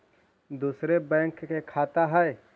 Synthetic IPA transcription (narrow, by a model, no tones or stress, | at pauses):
d̪uːsɾebɛ̃ːŋkkːekʰaːt̪aɦɛe